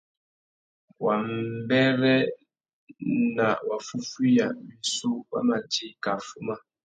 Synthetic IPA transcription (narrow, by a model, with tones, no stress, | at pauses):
wa˨m˨˦bɛ˦ɾɛ˦ | na˨wa˨fu˦fi˦ja˨mi˨su˦wa̰˦ma˨ti˦ka˨fu˦ma˦